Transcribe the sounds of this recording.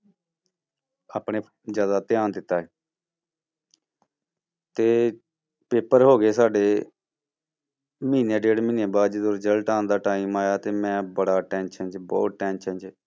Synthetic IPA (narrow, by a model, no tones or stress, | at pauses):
aːpɳeː | d͡ʒjaːd̪aːt̪ɪjaːnd̪ɪt̪ːaː | t̪eː | peːpəɾɦoːɡeːsaːɖeː | mĩːneːɖeːɽmĩːneːbaːd̪d͡ʒeːd̪õːɾd͡ʒəlʈaːnd̪aːʈaːiːmaːjaːt̪eːmɛ̃ːbəɽaːʈɛ̃ːnʃənd͡ʒbɔːt̪̚ʈɛːnʃənd͡ʒ